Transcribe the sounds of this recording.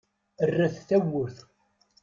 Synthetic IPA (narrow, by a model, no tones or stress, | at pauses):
ərːæθθæwːʊɾθ